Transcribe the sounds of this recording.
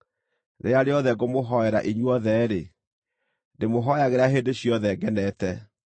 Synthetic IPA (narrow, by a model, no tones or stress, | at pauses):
nejaɾeɔðɛɡomoɦɔɛɾaʔiɲwɔðɛɾe | demoɦɔjaɣeɾaɦeːdeɕjɔðɛɡɛnɛtɛ